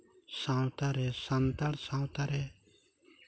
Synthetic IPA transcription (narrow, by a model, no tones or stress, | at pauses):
sãwt̪aɾesant̪aɽsãwt̪aɾe